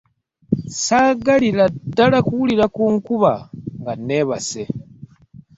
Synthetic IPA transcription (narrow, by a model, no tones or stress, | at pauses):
saːɡaliladalakuwuliɾakuŋkuβaŋɡaneβase